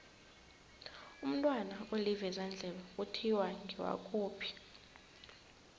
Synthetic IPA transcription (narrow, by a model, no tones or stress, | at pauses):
um̩tʼwanaolivɛzand͡ɮʱɛlɔutʰiwaŋɡʱiwa̰kʼuːpʰi̥